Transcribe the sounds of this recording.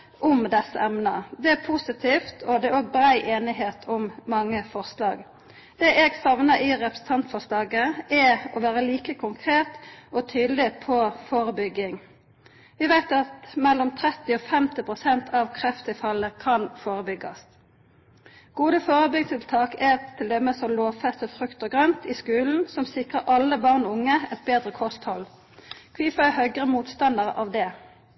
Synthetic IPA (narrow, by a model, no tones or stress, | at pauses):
ʔʊmd̪ɛsːəɛmnəd̪ɛæpʰusɪt̪ʰiːft̪ʰɔd̪ɛoːɡ̚bɾæɪʔeːnɪɦeːt̪ʰɔmːɑŋːəfɔʁslɑːɡ | d̪̥eːʔɛɡsɑʋnəɾɪʁɛpɾə̥sn̩t̪ʰɑnt̪fɔʁslɑːɡəɛɔʋæːɾəliːkəkʰʊŋkʰʁeːt̪ɔt̪ʰyːd̪lɪpʰɔfoːɾəbʏɡːɪŋ | ʋɪʋæɪt̪ɑt̪mɛlːɔmt̪ʰʁɛt̪ːɪɔːfɛmt̪ɪpʁʊsɛnt̪ʰɑʋkʰʁɛft̪ɪfɑlːəkʰɑnfoːʁəbʏɡɑs | ɡ̥uːd̪əfoːʁəbʏɡst̪ɪlt̪ʰɑːkɛt̪ʰːɪld̪ɛmːəsɔmloːʋfɛst̪ɔfʁʉkt̪ɔɡʁœnt̪ɪskʉːln̩sɔmsɪkʁəʁʔɑlːəbɑʁnɔːʊŋːəɛt̪̚beːd̪ʁəkʰɔst̪hɔl | kʰʋiːfɑhœʏɡʁəmuːt̪st̪ɑnd̪əʁʔɑ̰ːʋd̪ɛ